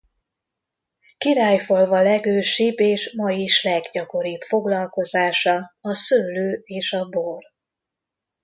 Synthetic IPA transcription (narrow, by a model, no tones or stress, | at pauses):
kiɾaːjfolvɒlɛɡøːʃibeːʃmɒjiʃlɛɡɟɒko̞ɾipfo̞ɡlɒlko̞zaːʃɒɒsøːløːeːʃɒbor